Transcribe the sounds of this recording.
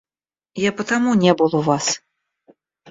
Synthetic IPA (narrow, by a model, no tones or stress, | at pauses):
japɐt̪amunʲɛbɨlˠɔvas